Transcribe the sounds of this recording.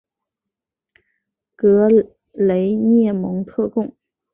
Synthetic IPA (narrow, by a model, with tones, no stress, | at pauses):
kɤ˧˥ | le˧˥ɪnjɛ˥˩mɤ˧˥ŋt̪ʰɤ˥˧kʊ˥˩ŋ